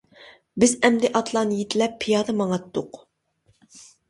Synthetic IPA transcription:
bɪzɛmd̪ɪʔɑt̪ʰlˠɑːnɨjet̪ʰɪlɛpʰːijɑːd̪ɑmɑŋɑt̪ːʊq

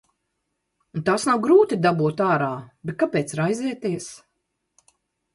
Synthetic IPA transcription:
unt̪aːsnawɡɾuːt̪id̪abuɔt̪aːɾaːbet̪̚kapɛːt̪sɾajziɛt̪iɛs

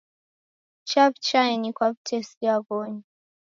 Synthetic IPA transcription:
t͡ʃabt͡ʃaɛnikwab̚tʰɛsiaɡɔɲi

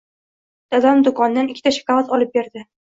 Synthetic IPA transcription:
d̪̥ad̪amd̪ʊkʰɒnd̪anɪkʲʰːɪt̪aʃḁkavat̪ʰɒlɪp̚be̞ɾd̪ɪ

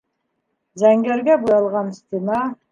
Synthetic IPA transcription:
zæŋɡʲæɾɡʲæbujɑlˠʁɑnst̪inɑ

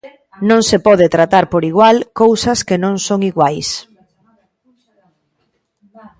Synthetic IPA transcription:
nõŋsepɔðet̪ɾat̪aɾpoɾiɣwalkowsɐskenõŋsoŋiɣwajs

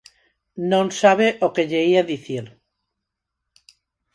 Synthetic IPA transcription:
nõŋsaβ̞eʔokeʎeiaðiθiɾ

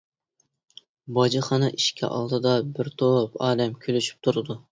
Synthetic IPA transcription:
bɑd͡ʒiχɑnɨʔiʃkʲʰɛ̰ʔɑ̰lˠd̪ɨd̪ɑbɪɾt̪ʰopɑːlɛmkʲʰølyʃy̥p̚t̪ʰuɾɨd̪u

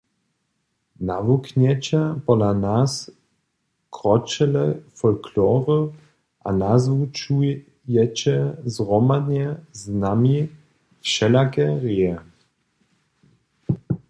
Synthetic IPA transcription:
navukɲɛt͡ɕapɔlanas | kʁɔt͡ʃɛlɛfɔlkʰlɔːʁə | ʔa̰nazvut͡ʃu | jɛt͡ɕɛzʁɔmad̪ɲɛznami | fʃɛlakɛʁiɛ

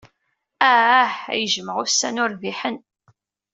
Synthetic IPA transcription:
æħæ̰jəʒəməʁʊsːænʊɾviħən

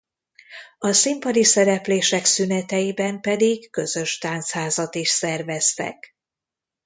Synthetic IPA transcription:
ɒsimpɒd̪isɛɾɛpleːʃɛksynɛt̪ɛjibɛmpɛd̪iɡːø̞zø̞ʃt̪aːnt̪shaːzɒt̪iʃsɛrvɛst̪ɛ̰k

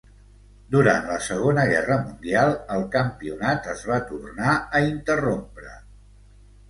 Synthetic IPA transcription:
d̪uɾa̰nt̪ləsəɣ̞onəɣɛrəmund̪ialˠəlˠkəmpiunat̪əzβat̪urnaəint̪ərompɾə̰

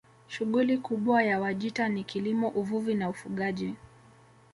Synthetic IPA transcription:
ʃuɠulikuɓwajawaʄitanikilimɔʔuvuvinaufuɠaʄi

